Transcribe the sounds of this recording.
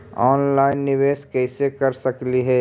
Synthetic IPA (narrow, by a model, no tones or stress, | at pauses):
ɔːnlaːɪnːɪʋeːskɛːsekɐɾsɐkliɦɛː